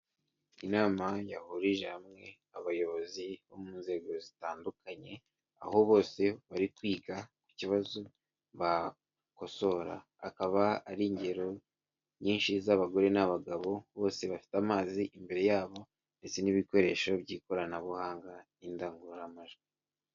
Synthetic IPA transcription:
inaːmajahuɾiʒehamŋe̞ | aβajo̞βo̞ziβo̞muːnze̞ːɡo̞zitaːndukaɲe̞ | a̰ho̞βo̞ːse̞βaɾikwiːɡaku̥ciβazo | βa | ko̞so̞ɾa̰ː | kaβaaɾiːɲɟe̞ɾo̞ | ɲiːnʃizaβaɡo̞ɾe̞naβaɡaβo̞βo̞ːse̞βafi̥tamaːziʔimbe̞ɾe̞jaːβo̞ | nde̞t͡se̞niβiko̞ɾe̞ːʃo̞βɟiːko̞ɾanaβuhaːŋɡa | indaːŋɡuɾɾamaʒɡi

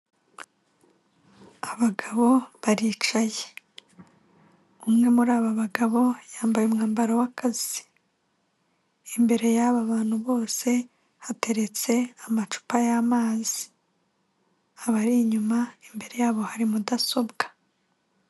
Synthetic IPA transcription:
aβaɡaβo̞βaɾiːt͡ʃaje | umŋe̞muɾaːβaβaɡaβo̞jaːmbajumŋaːmbaɾawakʰazi | imbe̞ɾe̞jaβaβaːn̥huβo̞ːse̞ | hate̞ɾe̞t͡se̞amat͡ʃu̥pajaːmaːzi | aβaɾiɲumaimbe̞ɾe̞jaːβo̞haɾimudaso̞bɡḁ

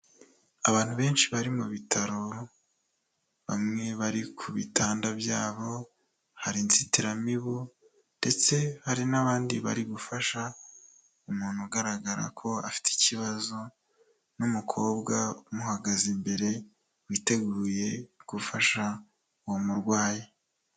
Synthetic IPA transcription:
aβaːn̥huβe̞ːnʃiβaɾimuβitʰaɾo | βa̰mŋe̞βaɾikʰuβitʰaːndabjaːβo̞ | haɾint͡sitiɾamiβo | nde̞t͡se̞haɾinaβaːndiβa̰ɾiɡufaʃa | umuːn̥huɡaɾaɡaɾa̰kʰo̞a̰fi̥ti̥ciβazo̞ | numukʰo̞ːbɡaumuhaɡazimbe̞ɾe̞ | wiːte̞ɡuːje̞ɡ̥ufaʃa | uwomuɾɡwaːje

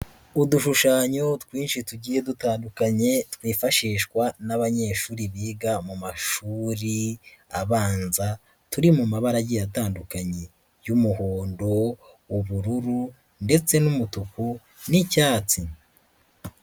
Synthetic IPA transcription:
uduʃuʃaːɲo̞tkwiːnʃituɟiːje̞dutaːndukaɲe̞twiːfaʃiːʃkwanaβaɲe̞ːʃuːɾiβiːɡamumaʃuːɾiaβaːnza | tuɾimumaβaɾaɟijataːndukaɲe | jumuhoːndo̞ | uβuɾuɾu | nde̞t͡se̞numutuku | nicaːt͡si

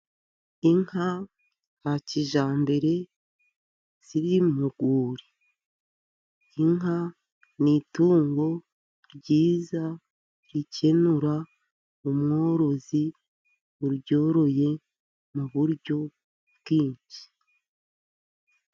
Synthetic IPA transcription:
iŋha | haciʒaːmbe̞ɾe̞ | z̥iɾimuɡuːɾi | ŋɦa | nituːŋɡo̞ | ɾɟiːza | ɾice̞nuɾa | umŋo̞ːɾo̞zi | βuɾɟo̞ːɾo̞je̞ | muβuɾɟo̞ | bɡiːɲʃi̥

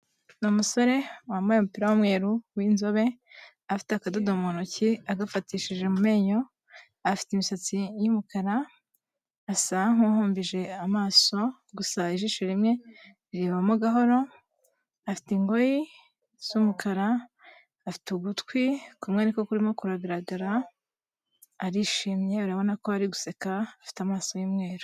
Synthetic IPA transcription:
nomuso̞ɾe̞wamajemupiɾawamŋe̞ːɾuwinzo̞βe̞ | afi̥teakadodomonociaɡafatiːʃiʒe̞mume̞ːɲo̞ | afi̥teimisat͡sijimukaɾaː | saŋ̥uhoːmbiʒe̞amaːso̞ | ɡusaiʒiʃeɾimŋe̞ | iɾeːβamoɡaɦo̞ɾo̞ | afi̥tiŋɡo̞ji | z̥umukaɾa | afi̥tuɡutkwikumŋeniko̞kuɾimo̞kuɾaɡaɾaɡaɾa | ɾiʃiːmɲe̞uɾaβo̞nako̞aɾiɡuse̞kaafi̥tamaːso̞jimŋe̞ːɾo

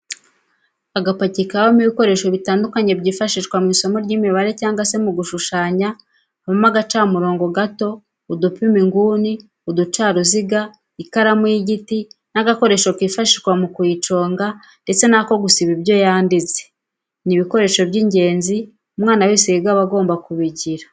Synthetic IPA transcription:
aɡapacikawomiβiko̞ɾe̞ːʃo̞βitaːndukaɲe̞bɟiːfaʃiʃkwamŋiːso̞mo̞ɾɟiːmiβaɾe̞caːŋɡwase̞muɡuʃuʃaːɲa | amomaɡat͡ʃaːmuɾo̞ːŋɡoɡato̞ | udupimiŋɡuːni | udut͡ʃaːɾuziɡa | ikaɾamwiːɟitinaɡako̞ɾe̞ːʃokiːfaʃiʃkwamukwiːt͡ʃo̞ːŋɡa | nde̞t͡se̞nako̞ɡusiβibjo̞jaːndize̥ | niβiko̞ɾe̞ːʃo̞βɟiːɲɟe̞ːnzi | umŋaːnawisiiɡaβaɡo̞ːmbakuβiɟiɾa

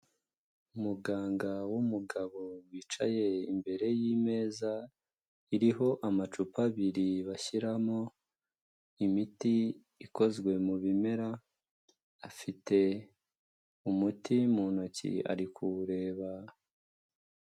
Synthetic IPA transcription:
umuɡaːŋɡawumuɡaβo̞wiːt͡ʃaje̞imbe̞ɾe̞jime̞ːza | iɾiɦo̞ʔamat͡ʃupaβiɾiβaçiɾamo | imiti | iko̞zɡwe̞muβime̞ɾaː | fite̞ | umutimunocḭa̰ɾikʰuɾe̞ːβa

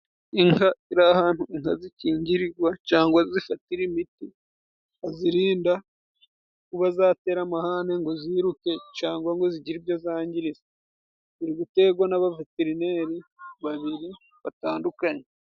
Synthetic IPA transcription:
iŋaiɾahaːn̥huiŋhaziciːɲɟiɾiɡwacaːŋɡwazifatiɾimiti | aziɾiːnda | kuβazaːte̞ːɾamahaneŋɡo̞ziːɾuke̞caːŋɡwaŋɡo̞ziɟiɾibjozaːɲɟiɾize | iɾiβute̞ɡwanaβaveteɾine̞ɾiβaβiɾi | βataːndukaɲe

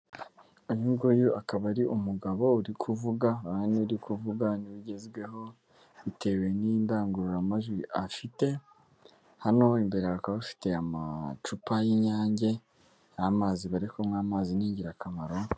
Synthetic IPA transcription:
ojuŋɡujuʔakaβaɾiʔumuɡaβo̞uɾikʰuvuɡaaaneuɾikʰuvuɡaniβuɟe̞zɡwe̞ɦo̞ | βite̞we̞nindaːŋɡuɾuɾamaʒɡwiʔafite̞ | hano̞imbe̞ɾeakaβafi̥te̞ama̰t͡ʃupajiɲaːɲɟe̞ | amaːziβaɾekomŋaːmaːziniːɲɟiɾakamaɾo̞

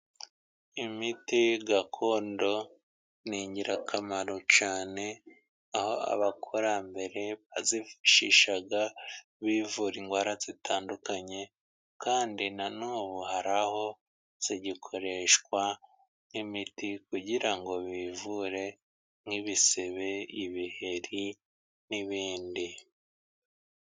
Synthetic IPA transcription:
imitiɡakʰo̞ːndo̞ | niːɲɟiɾakʰamaɾot͡ʃaːne̞ | ahoa̰βakʰoɾambe̞ɾe̞βazifiʃiʃaɡa | βiːvuɾiŋɡwaːɾaz̥itʰaːndukaɲe̞ | kaːndinanuːβuhaɾaho̞ | z̥iɟikʰo̞ɾe̞ʃkwa | nimitikuɟiɾaŋɡo̞βiːvuɾe̞ | ŋhiβise̞βe̞iβihe̞ɾi | niβiːndi

